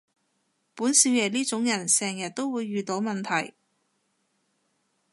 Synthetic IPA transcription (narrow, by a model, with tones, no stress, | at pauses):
puː˨˥nsiː˨˧wjɛː˨˩liː˥t͡sʊ˨˥ŋjɐ˨˩nsɛː˨˩ŋjɐ˨t̚t̪o˥wwuː˨˧jːyː˨t̪o˨˥wmɐ˨nt̪ʰɐ˨˩j